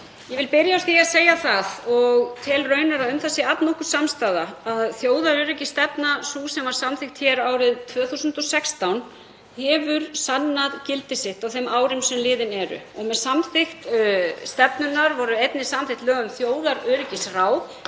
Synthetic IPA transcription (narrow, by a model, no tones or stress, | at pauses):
jɛvɪlpɪɾjaɔ̥θiaseːjaθaðɔɣt̪ʰɪlrœːɥnaɾaʏmθasɪat̪nɔhkʏɾ̥samst̪aːðaaðθjoːwðaɾœːɾɪcɪst̪ɛpnasusɛmvaɾ̥samθɪxt̪çɛːɾaːwɾɪðt̪ʰvœːθusʏnt̪ɔsɛkst̪awn | hɛvʏɾ̥sanːaðcɪlt̪ɪsɪht̪awθemaːwɾɪmsɛmlɪːðɪnɛɾʏ̰ɔɣmɛðsamθɪxt̪st̪ɛpnʏnːaɾvɔɾʏejt̪nɪsamθɪht̪lœːɣʏmθjoːwðaɾœːɾɪcɪsraːw